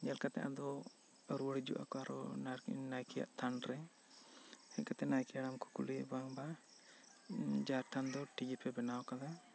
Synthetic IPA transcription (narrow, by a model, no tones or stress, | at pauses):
ɲɛlkat̪a̰ʔad̪ɔ | əɾuwəɽid͡ʒṵʔa̰kɔaɾɔ̰nnajkʰɛja̰ʔt̪ʰanɾɛ | hɛkat̪ɛnajkijaɽamkukulibaŋba | d͡ʒaɾʈʰand̪ɔʈid͡ʒɛpʰɛbɛnawakad̪a